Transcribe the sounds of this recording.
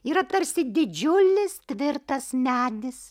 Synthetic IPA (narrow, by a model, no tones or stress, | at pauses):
iːɾɐt̪ɐɾʲsʲɪd̪ʲɪd͡ʒʲʊlʲɪst̪ʲʋʲɪɾt̪ɐsmʲæːd̪ʲɪs